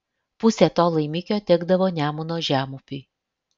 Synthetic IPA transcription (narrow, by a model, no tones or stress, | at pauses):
pʊsʲɛt̪oːlˠɐɪmʲɪkʲoːt̪ʲɛɡd̪ɐʋoːnʲæːmʊnoːʒʲæːmʊpʲiː